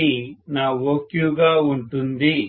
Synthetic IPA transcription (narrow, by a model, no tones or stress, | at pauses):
inaːwoːkjuːɡauɳʈ̪und̪i